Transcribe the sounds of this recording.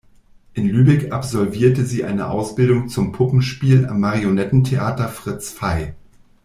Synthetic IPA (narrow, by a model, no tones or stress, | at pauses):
ʔɪnlyːbɛkʔapz̥ɔlviːɐtəziːʔa̰ɪnə̰ʔa̰ʊsb̥ɪldʊŋt͡sʊmpʰʊpm̩ʃpiːla̰mːaʁionɛtn̩tʰeʔaːtɐfʁ̥ɪt͡sfaɪ